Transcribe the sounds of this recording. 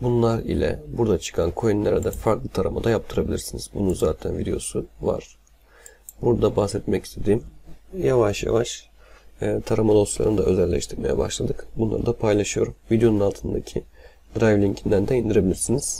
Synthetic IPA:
bunlˠaɾḭlʲɛ̰buɾd̪at͡ʃʰɯ̥kʰankʰojinlːʲæɾɛd̪ɛfaɾklˠɯt̪ʰaɾa̰mad̪ajap̚t̪ʰɯɾabilʲiɾsiniz̥bununzaːt̪ʰænvid̪ejo̞suva̰ɾ̥ | buɾd̪abahsɛt̪mɛcist̪ʰe̞d̪iːmjavaʃja̰vaʃː | t̪ʰaɾamad̪o̞slˠa̰ɾɯnɯd̪aø̞zɛlːʲɛ̰ʃt̪ʰiɾme̞jɛ̰ba̰ʃlˠad̪ɯkbunlˠa̰ɾɯd̪apʰajlˠaʃɯjo̞ɾumvid̪ejo̞nunalˠt̪ʰɯnd̪acʰi | d̪ɾajvlʲiɲcʰind̪ænd̪ɛind̪iɾebilʲiɾsiniz̥

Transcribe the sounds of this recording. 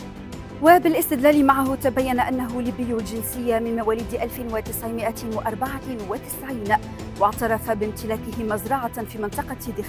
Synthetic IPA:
wabɪlʔɪst̪ɪd̪laːlɪmaʕaɦʊt̪abajːanaʔanːaɦʊliːbɪjːʊld͡ʒɪnsɪjːamɪnmawaːliːd̪ʔalfɪwat̪ɪsʕɪmɪʔawaʔɑɾˤbɑʕawat̪ɪ̥sʕiːn | wɑʕt̪ɑɾˤɑfabɪmt̪ɪlaːkɪhɪmɑzɾˤɑʕɑfiːmɪnt̪ˤɑqɑd̪ɪx

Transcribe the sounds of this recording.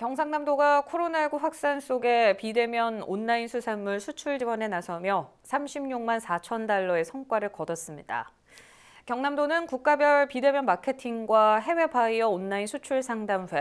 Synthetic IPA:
kjʌŋs̬ʰaŋnamdoɡakʰoɾonaɭɡuɸwak̚s͈ans͈oɡe̞pide̞mjʌnonːainsʰusʰamːuɭsʰut͡ɕʰuɭd͡ʑiwʌne̞nasʰʌmjʌ | sʰamɕʰimɲuŋmansʰat͡ɕʰʌndaɭːʌe̞sʰʌŋk͈waɾɯɭkʌdʌs͈ɯmɲida̰ | kjʌŋnamdonɯnkuk̚k͈abjʌɭpide̞mjʌnmakʰe̞tʰiŋɡwaɦe̞we̞baiʌonːainsʰut͡ɕʰuɭsʰaŋdamɸwe

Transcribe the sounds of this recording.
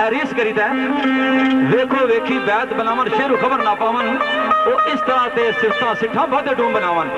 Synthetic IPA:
ɛːɾiːskəɾiːt̪ɛ̃ː | ʋeːkʰoːʋeːkʰiːbɛːt̪bənaːʋənʃeːɾũːkʰəbəɾnaːpaːʋənoːʔɪst̪əɾãːt̪eːsɪft̪ãːsɪʈʰːãːbət̪eːɖũːmbənaːʋən

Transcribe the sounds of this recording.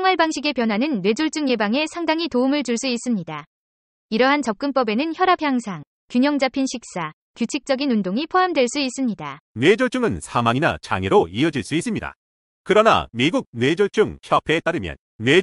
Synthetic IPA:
ʌŋwaɭbaŋɕʰiɡe̞pjʌnwanɯnːwe̞d͡ʑuɭt͡ɕ͈uŋje̞baŋe̞sʰaŋdaŋitoumɯɭt͡ɕuɭs͈uis͈ɯmɲida | iɾʌɦant͡ɕʌp̚k͈ɯmp͈ʌbe̞nɯnçjʌɾapʰjaŋsʰaŋ | kjuɲʌŋd͡ʑapʰinɕʰik̚s͈a | kjut͡ɕʰik̚t͡ɕ͈ʌɡinundoŋipʰoɦamdwe̞ɭs͈uis͈ɯmɲidanwe̞d͡ʑuɭt͡ɕ͈uŋɯnsʰamaŋina̰t͡ɕa̰ŋeɾoiʌd͡ʑiɭs͈uis͈ɯmɲida̰ | kɯɾʌna̰miɡuɡ̚nwe̞d͡ʑoɭt͡ɕ͈uŋçjʌpʰeːt͈aɾɯmjʌ̰nːwe

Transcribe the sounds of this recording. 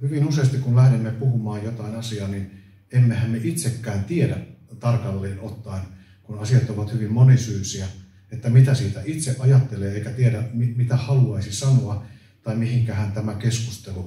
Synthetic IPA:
hyʋinuseːɑst̪ikkunlæhdemːepuhumɑːjjot̪ɑinɑsiɑːnin | emːehæmmeʔit̪sekːæːnt̪iedæ | t̪ɑrkɑlːeːnot̪ːɑin | kunɑsiɑt̪oʋɑt̪hyʋimmonisyːsiæ | et̪ːæmit̪æsiːt̪æʔit̪seʔʔɑjɑt̪ːeleːeikæt̪ieɾæmimit̪æhɑluɑisisɑnoɑ | t̪ɑimihiŋkæhænt̪æmækeskust̪elu

